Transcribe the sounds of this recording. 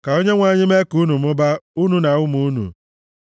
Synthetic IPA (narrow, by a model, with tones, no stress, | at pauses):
ka˨o˦ɲe˦ŋʷa˦˨ɲɪ˦me˦ku˦nu˨mʊ˦ba˦u˦nu˦na˨ʊ˦mu˨˦nṵ˨